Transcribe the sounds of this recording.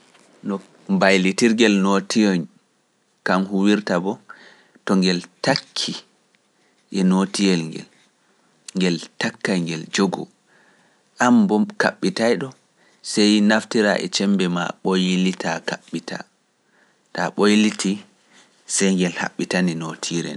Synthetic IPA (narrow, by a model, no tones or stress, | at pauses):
nɔ | mbajlitiɾɡɛlnotijɔn | kamhuwiɾtabɔ | tɔŋɡɛltakʰːi | ʔɛnotijɛlŋɡɛ̰l | ŋɡɛltakːajŋɡɛld͡ʒoɡɔ̰ | ʔambɔka̰ɓːitajɗɔ | sɛjnaftiɾaʔɛ̰t͡ʃɛmbɛma̰ɓojilitʰakaɓːitʰa̰ | taɓojliti | sɛjŋɡɛlha̰ɓːitaninotʰiɾɛ̰n